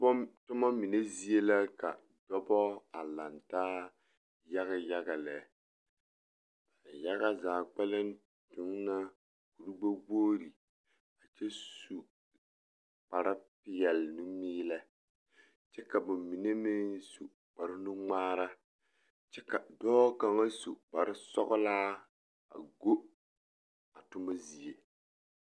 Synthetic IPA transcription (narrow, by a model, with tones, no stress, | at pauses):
tʊ˦ma˦mi˨ne˦zi˦e˦la˦ka̰˨ | dɔ˦bɔ˦a˨la˨ntaː˦ | ja˦ɣa˨ja˦ɡa˨lɛ˨˦ | b̥a˨ja˦ɡa˦zaː˨k͡pɛ˦lɪ˦n | tʊ˨˦ŋna˦ | ku˨ɾu˦ɡ͡ba˦ɡoː˦ɾi˨ | a˨t͡ʃɛ˦su˨ | k͡pa˨ɾa˦pɪ˦jɛ˨lnu˦miː˦la˦ | t͡ʃɛ˦ka˨bʊ˨mmi˨ne˦mɪ˦nsu˨ | k͡pa˨ɾɪ˦nu˦ŋ͡maː˦ɾa˦ | t͡ʃɛ˦ka˨dɔː˦ka˨ŋa˦su˨k͡pa˨ɾɪ˦sɔ̰˦ɣʊ˦laː˦ | a̰˨ɡo˦ | a˨tʊ˦ma˦zi˨e˨